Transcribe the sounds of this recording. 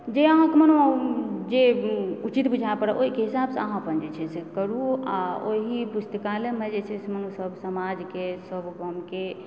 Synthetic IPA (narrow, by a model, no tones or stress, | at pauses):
d͡ʒeəɦãkemənod͡ʒeut͡ʃit̪bud͡ʒʱaepəɾaʔoɦikeɦisabseəɦãpənd͡ʒet͡ʃʰɛsekəɾuaoɦipust̪əkalemɛd͡ʒesʰesmənsəbʱsəmad͡ʒkesəbkəmke